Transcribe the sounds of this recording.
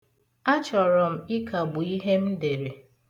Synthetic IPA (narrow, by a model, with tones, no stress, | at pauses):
a˦t͡ʃɔ˨ɾɔ˨m̩˨i˦kʰa˨bʊ˨i˦ɦe˦m̩˦de˨ɾe˨